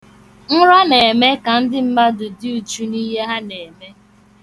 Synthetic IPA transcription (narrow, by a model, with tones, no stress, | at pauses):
n̩˦ɾa˦ne˨me˦ka˨n̩˦dɪ˦m̩˦ma˦dʊ˨dɪ˦u˨t͡ʃu˦ni˦ɦe˦ɦa˦ne˨me˦